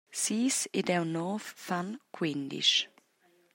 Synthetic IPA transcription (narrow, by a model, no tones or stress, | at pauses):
siːsɪdɛwnɔːθfankʰwɪnd̪ḭʃ